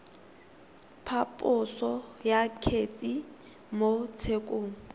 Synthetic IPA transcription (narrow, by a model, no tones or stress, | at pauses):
pʰapʼʊsɔjakʰet͡sʼi | mot͡sʰekʼoːŋ̩